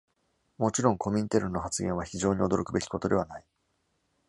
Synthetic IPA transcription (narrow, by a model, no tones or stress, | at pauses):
mo̞t͡ɕiɾõ̞ŋko̞mʲiɲ̟it̪eɾɯ̟nːo̞ɦat͡sɨɡʲẽ̞βaçiʑo̞ːɲ̟io̞d̪o̞ɾo̞kɯ̟be̞kʲi̥ko̞t̪o̞d̪e̞βanai